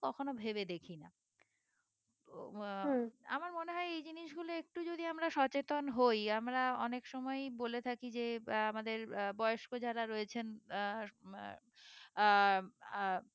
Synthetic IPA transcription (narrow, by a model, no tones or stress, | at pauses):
kɔkʰonobʱebed̪ekʰina̰ | a̰maɾmoneɦɔeejd͡ʑiniʃɡuloek̚ʈud͡ʑod̪iamɾaʃɔt͡ɕet̪onɦojamɾaɔnekʃɔmɔejbolet̪ʰakid͡ʑeamad̪eɾbɔeoʃkod͡ʑaɾaɾoet͡ɕʰen